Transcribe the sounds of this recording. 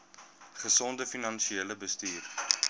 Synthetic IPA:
χəsɔndəfinɐnʃieləbəstiːr

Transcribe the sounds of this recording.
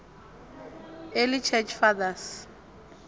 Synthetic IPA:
elɪt͡ʃʰɛt͡ʃʰfaðas

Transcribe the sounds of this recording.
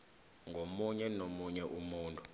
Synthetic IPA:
ŋɡʱomuɲɛnomuɲɛʔumuːntʼu̥

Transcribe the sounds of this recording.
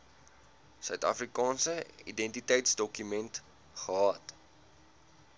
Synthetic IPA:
sœɥtɐ̰frikɑːnsəḭdɛntitɛjtsdɔkymɛnt | χəɦɑːt

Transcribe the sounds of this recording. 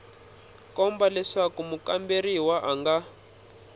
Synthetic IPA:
kɔmbalɛʂakumukamberiwaʔaŋɡa

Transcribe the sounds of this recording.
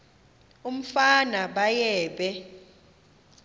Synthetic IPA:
um̩fanaɓajɛːɓɛ

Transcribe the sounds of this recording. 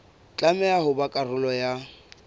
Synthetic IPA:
t͡ɬʼamɛahʊbakʼarʊlɔja

